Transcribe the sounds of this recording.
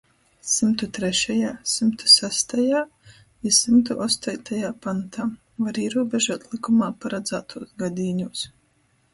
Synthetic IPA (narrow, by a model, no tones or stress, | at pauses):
simt̪ut̪ɾɛʃajaːsimt̪u̥sæst̪ajaː | isimt̪uʔɔst̪ajt̪ʰajaːpant̪aː | vaɾiɛɾuɔbeʒuːt̪lˠikumaːpaɾad̪zaːt̪ʰuɔsɡad̪ʲiːɲuɔs